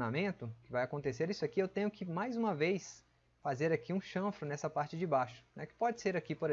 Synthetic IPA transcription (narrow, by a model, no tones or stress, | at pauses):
namẽnt̪ʊkɪvajakõnt̪eseɾisʊɐkiewt̪ẽɲʊkɪmajzũmɐvejs | fazeɾakiũʃɐ̃fɾʊnɛsɐpaɾt͡ʃɪd͡ʒɪbaʃʊ̥nɛkɪ̥pɔd͡ʒɪseɾakipoɾ